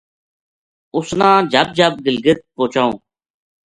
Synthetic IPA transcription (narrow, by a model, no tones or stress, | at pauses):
ʊsnãːd͡ʒʱəb̚d͡ʒʱəb̚ɡɪlɡɪt̪̚poːt͡ʃaːõ̰ː